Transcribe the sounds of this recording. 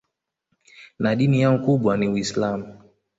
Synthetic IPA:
naɗinijaŋ̩kuɓwaniwislamu

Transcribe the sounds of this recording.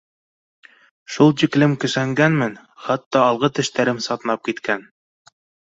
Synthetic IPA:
ʃulˠʑiklɘmkɵ̆sæŋɡænmɘn | χɑt̪ːɑːlˠʁɤt̪ɘ̆ʃt̪æɾɘmsɑt̪ɤnɑp̚kit̪kæn

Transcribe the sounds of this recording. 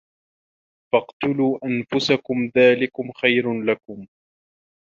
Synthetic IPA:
fɑqt̪ʊluːʔanfʊsakʊmðaːlɪkʊmxajɾlakʊm

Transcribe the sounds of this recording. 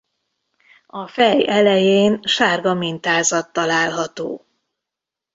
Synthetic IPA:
ɒfɛjɛlɛjeːnʃaːrɡɒmint̪aːzɒt̪ːɒlaːlɦɒt̪o̰ː

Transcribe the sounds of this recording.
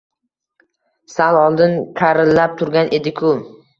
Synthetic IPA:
salɒlˠd̪ɪnkʰaɾɪlːap̚t̪ʰʊɾɡʲanʔe̞d̪ɪkʰʊ

